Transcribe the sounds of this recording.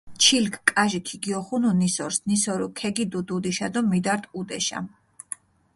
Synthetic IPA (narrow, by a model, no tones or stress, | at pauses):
t͡ʃʰilkʰkʼaʒikʰiɡiɔχununisɔɾsnisɔɾukʰɛɡid̪ud̪ud̪iʃad̪ɔmid̪aɾt̪ʼud̪ɛʃa̰m